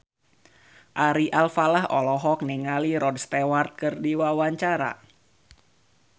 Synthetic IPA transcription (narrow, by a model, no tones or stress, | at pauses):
ʔaɾiʔalfalaɦɔlɔɦɔk̚niŋaliɾɔdst̪ewart̪̚kɨrdiwawaɲt͡ʃaɾa̰